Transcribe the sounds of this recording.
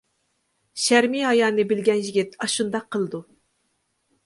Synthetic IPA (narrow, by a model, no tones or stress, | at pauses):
ʃæɾmiɦɑjɑːnɨbɪlɡʲɛnjiɡʲɪt̪̚ɑʃund̪ɑqʰːəlˠɨd̪u